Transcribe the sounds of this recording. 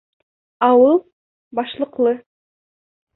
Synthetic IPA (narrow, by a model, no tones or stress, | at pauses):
ɑwɯlˠ | bɑʃlˠɤqlˠɤ